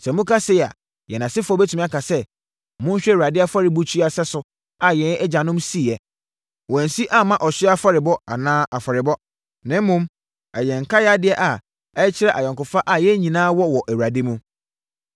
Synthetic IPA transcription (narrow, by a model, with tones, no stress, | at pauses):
sɛ˨mʊ̃˦kʰa˦sɪ˦ja̰˨ | jɛ˨nã˨sɪ˦fɔ˦bɛ˦tʰu˨mĩ˦a˦kʰa˨sɛ˦ | mʊ̃˦ɲ̩˦ɕᶣɛ˦˨u˨ɾa˨dɪ˦a˦fa˦ɾɪ˨˦bu˦t͡ɕʰi˦a˨sɛ˦sʊ˦ | a˨jɛ̃˨˦d͡ʑã˨nʊ̃˦msi˦˨jɛ˨ | wɔ̃˨n̩˨si˦ʔa˦mã˦ʔɔ˨ɕɪ˦a˦fa˦ɾɪ˨bɔ˦a̰˨nãː˦ʔa˨fa˨ɾɪ˨bɔ˦ | nɪ̃˦m˦mʊ̃˦m | ɛ˨jɛ̃˨ŋ̩˨kʰa˦jɛ˦a˦dɪ˦ɛ˦ʔa˨ | ɛ˦t͡ɕʰɪ˦ɾɛ˦˨ʔa˨jɔ̃˨ŋkʊ˨fa˦ʔa˨jɛ˦ɲĩ˨nãː˦wɔ˦wɔ˨ʔæ˨wu˨a˨dɪ˦mũ˦